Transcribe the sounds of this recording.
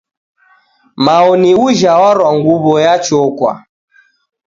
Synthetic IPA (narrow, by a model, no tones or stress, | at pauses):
maɔniuʒawaɾwaŋɡuβɔjat͡ʃɔkwa̰